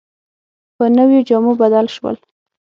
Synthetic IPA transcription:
pənəwjod͡ʒamobad̪alʃwə̰l

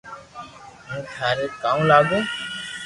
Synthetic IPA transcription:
ɦũːkʰaːɾeːkaːũːlaːɡõː

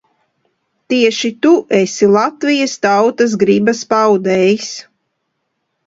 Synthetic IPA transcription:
t̪iɛʃit̪uʔesilˠat̪vijəst̪awt̪as̬ɡɾibaspawd̪ɛjs

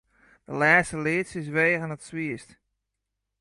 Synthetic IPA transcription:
d̥əlɛːstəlɪːtsɪs̬ʋeːɣənətsʋiəst

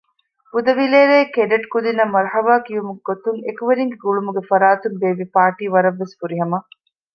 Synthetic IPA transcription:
b̥ud̪ɐʋileːɾeːkeɖɐʈkud̪inɐmːɐɾhɐʋaːkiumuɡɡot̪uŋekuʋeɾiŋɡeɡuɭumuɡefɐɾaːt̪umbeːʋipaːʈiːʋɐɾɐʋːesfuɾiɦɐmɐ

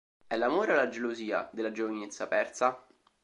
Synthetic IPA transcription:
ɛlːamoːɾealːad͡ʒeloziːa̰d̪elːad͡ʒovinet̪sːapɛrt̪sa

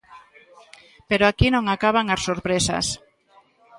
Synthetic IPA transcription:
peɾoakinõŋakaβ̞aŋasːoɾpɾesa̰s

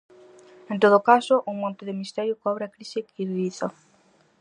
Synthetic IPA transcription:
ent̪oð̞ʊkasʊʔuŋmõnt̪ɪðɪmist̪ɛɾjʊkɔβɾɪakɾisɪkiɾðiθo

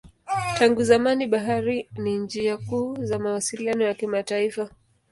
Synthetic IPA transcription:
taŋɡuzamaniɓaɦaɾinind͡ʒiakuːzamawasilianɔjakimataifa

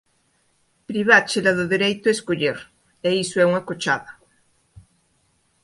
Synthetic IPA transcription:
pɾiβ̞at͡ʃelaðoðeɾejt̪oeskoʎeɾ | eisoɛuŋakot͡ʃaða

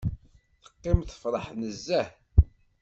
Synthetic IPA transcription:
θə̥qːɪmθə̥fɾˤəħnəzːæh

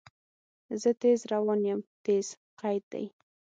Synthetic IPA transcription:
zət̪ezɾawɑnjəmt̪ez̥ | qajd̪̚d̪a̰j

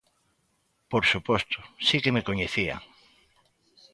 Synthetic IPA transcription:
poɾsupost̪ʊ̥sikemekoɲeθia̰

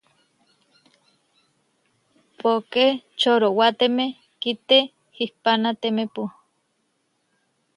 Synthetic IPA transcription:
poket͡ʃoɾowat̪eme | kit̪e | hihpanat̪emepu

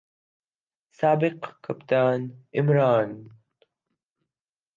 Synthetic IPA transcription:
saːbɪqkʰːapt̪aːnʔɪmɾaːn

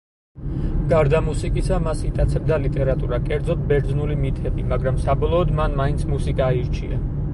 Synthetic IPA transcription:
ɡ̥aɾd̪amusikʼisamasit̪ʼat̪sʰɾd̪alit̪ʼɛɾat̪ʼuɾakʼɛɾd̪zɔt̪̚bɛɾd̪znulimit̪ʰɛbimaɡɾamsabɔlˠɔːd̪manmaint̪sʰmusikʼaiɾt͡ʃʰia

